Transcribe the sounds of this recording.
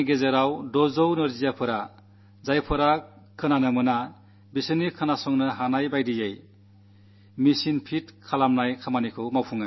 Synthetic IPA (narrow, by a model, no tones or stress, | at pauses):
ɡezeɾawdɔzɔwnɯɾzijapʰɯɾa | zajpʰɯɾa | kʰɯnanɯmɯna | bisɯnikʰɯnasɔŋnɯɦanajbajdijej | misinpʰitkʰalamnajkʰamanikʰɯwmawpʰuŋɯ